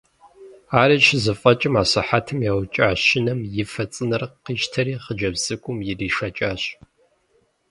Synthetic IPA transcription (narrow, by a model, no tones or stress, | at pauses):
aːɾɐʃʰzɨfʼɐt͡ʃʼɪmaːɕɐħatʰɨmjawt͡ʃʼaːɕʃɪnɐmjɪfɐt͡sʼɨnɐrqiːʃtʰɐɾiːχəd͡ʒɐbz̥ɨkʷʼʊmjɪriːʂɐt͡ʃʼaːɕ